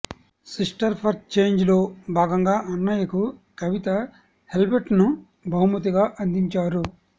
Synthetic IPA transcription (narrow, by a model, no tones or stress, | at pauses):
sisʈɐɾpʰɐɾt̪t͡ʃe̞ːɲd͡ʒlo̞ːbʱaːɡɐŋɡaːʔɐnːaːjɐkukɐʋit̪ɐ | he̞lbeʈnu | bʱɐumut̪iɡaːʔɐnd̪iɲt͡ʃaːɾu